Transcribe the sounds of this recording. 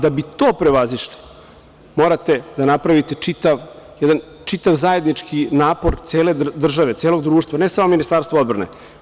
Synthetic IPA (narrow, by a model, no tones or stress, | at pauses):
d̪abit̪oːpɾeʋaziʃli̥ | mo̞ːɾat̪e̞d̪anapɾaʋit̪et͡ʂit̪aʋjɛd̪an | t͡ʃit̪aʋzaje̞d̪nit͡ʂkinaːpoɾt̪seːled̪r̩ʒaʋe̞t̪eːlo̞ɡd̪ɾuːʂt̪vʋanesamominist̪aɾst̪vaod̪bɾanḛ